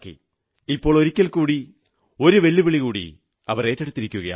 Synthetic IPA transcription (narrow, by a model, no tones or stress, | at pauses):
kːḭ | ipːoːɭo̞ɾikʲːɐlkuːɽi | o̞ɾuʋe̞lːiʋiɭiɣuːɽḭ | ɐʋɐre̞ːtːeɽut̪ːiɾikʲːuɣɐja̰